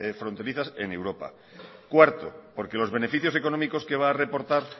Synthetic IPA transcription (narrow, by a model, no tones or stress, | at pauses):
efɾo̞nt̪e̞ɾiθase̞̰ne̞wɾo̞pa̰ | kwaɾt̪o̰po̞ɾke̞lo̞zβe̞ne̞fiθjose̞ko̞nõ̞miko̞ske̞β̞aːre̞po̞ɾt̪aɾ